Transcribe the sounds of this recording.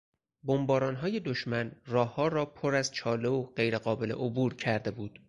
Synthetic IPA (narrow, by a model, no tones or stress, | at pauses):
bo̞mbɒːɾɒːnɦɒːje̞d̪oʃmænrɒːhːɒːɾɒːpʰoɾæzt͡ʃʰɒːleoɢe̞jɾeɢɒːbe̞le̞̰ʔobuːɾcʰæɾd̪e̞buːd̪̥